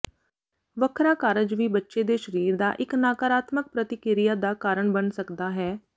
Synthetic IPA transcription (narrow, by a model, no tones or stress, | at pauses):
ʋəkʰɾaːkaːɾəd͡ʒʋiːbətːʃeːd̪eːʃəɾiːɾd̪a̰ːʔɪknaːkaːɾaːt̪mək̚pɾət̪ɪkɪɾɪjaːd̪aːkaːɾəɳbənsəkd̪aːɦɛː